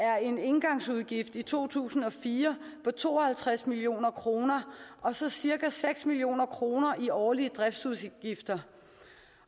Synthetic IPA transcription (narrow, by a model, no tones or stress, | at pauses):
æɐe̝ne̝nɡ̥ɑ̈ŋsuð̞ˠɡ̥ifd̥it͡sʰo̝̰ːt͡sʰṵːsn̩ɒ̽fiːɐpʰɒ̽t͡sʰo̝̰ːɒ̽hælt͡sʰʁasmilio̝̰ːnɐkʰʁo̝ːnɐʔɒ̽sɒ̽siɐɡ̥æseɡ̥smilio̝̰ːnɐkʰʁo̝ːnɐʔiɒːliəd̥ʁɛfd̥suð̞ˠɡ̥ifd̥ɐ